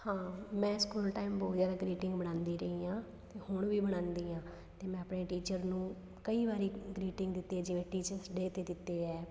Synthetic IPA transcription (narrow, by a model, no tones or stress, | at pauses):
hãːmɛ̃ːskuːlʈaːimboːt̪zjaːd̪aːɡɾiːʈɪ̃ŋɡbəɽ̃ãːnd̪iːɾəɦiːãː | t̪eːhʊɳʋiːbəɽ̃ãːnd̪iːãː | t̪eːmɛ̃ːəpɳeːʈiːt͡ʃəɾnũː | kəiːʋaːɾiːɡɾiːʈɪ̃ŋɡd̪ɪt̪ːeːd͡ʒɪʋẽːʈiːt͡ʃəɾsɖeːt̪eːd̪ɪt̪ːeːɛː